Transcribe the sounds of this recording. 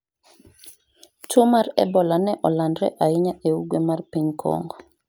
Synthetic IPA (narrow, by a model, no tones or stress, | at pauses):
t͡ʃumaɾɛ̰bɔlanɛʔɔlandɾɛ̰ʔaɪɲaʔeuɡwemarpiɲkʰɔ̰ŋɡɔ